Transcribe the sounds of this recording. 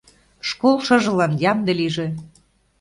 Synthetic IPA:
ʃkolʃɤ̆ʒɤ̆lɑnjɑmd̪ĕliʒĕ

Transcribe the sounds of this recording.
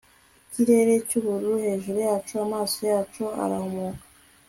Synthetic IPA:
ciɾe̞ɾe̞cuβuɾuɾuhe̞ːʒuɾujaːt͡ʃoamaːsojaːt͡ʃoa̰ɾahomoːkḁ

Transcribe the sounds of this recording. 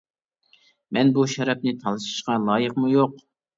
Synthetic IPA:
mɛnbuʃɛɾɛp̚nɪt̪ʰɑlˠɨʃi̥ʃqɑlˠɑːjəqmujoq

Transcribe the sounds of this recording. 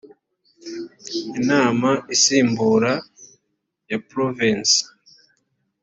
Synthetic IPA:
inaːmaʔisiːmbuːɾa | japɾovins

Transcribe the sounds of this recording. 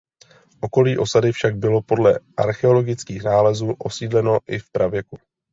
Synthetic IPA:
ʔo̞ko̞liːʔo̞sadɪfʃaɡ̚bɪlo̞po̞dlɛ̰ʔaɾxɛo̞lo̞ɡɪt͡skiːxnaːlɛzuːʔo̞siːdlɛno̞ʔɪfpɾavjɛku

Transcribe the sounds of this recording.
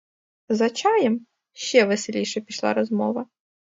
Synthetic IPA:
zɐt͡ʃɑjɛm | ʃt͡ʃɛʋeselʲijʃɛpʲiʃlˠɑ̰ɾɔzmɔʋɐ

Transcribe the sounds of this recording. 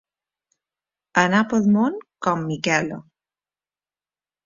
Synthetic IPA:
anapoðmonkɔmːikɛlo̰

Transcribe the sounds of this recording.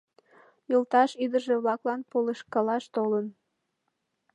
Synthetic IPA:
jəlt̪ɑʃid̪əʒeβlɑklɑnpoleʃkɑlɑʃt̪olən

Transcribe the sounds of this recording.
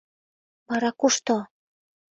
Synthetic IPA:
βɑɾɑkuʃt̪o

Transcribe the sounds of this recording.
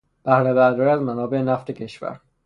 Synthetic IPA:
b̥æhɾebæɾd̪ɒːɾiæzmænɒːbe̞enæft̪ʰe̞cʰe̞ʃvæ̰ɾ

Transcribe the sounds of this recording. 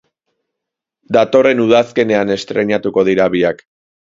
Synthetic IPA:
d̪at̪o̞re̞nuð̞aske̞ne̞ane̞st̪ɾe̞ɲat̪uko̞ð̞iɾaβiak

